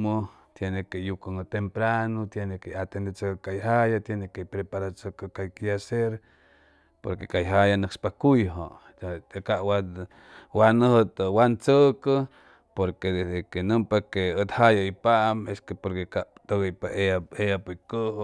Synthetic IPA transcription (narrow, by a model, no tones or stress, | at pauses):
mo | t̪jenekejukaŋət̪empɾanot̪jenekeat̪end̪et͡səkkajɦajat̪jenekepɾepaɾat͡səkəkajkjaseɾ | poɾkekajɦajanəkspakujɦo̰ | kaʔwa | wanəhət̪əwant͡səkə | poɾked̪esd̪ekenəmpakeət̪hajaipaʔmeskepoɾkekat̪oɣəjpaʔeaejapojkəh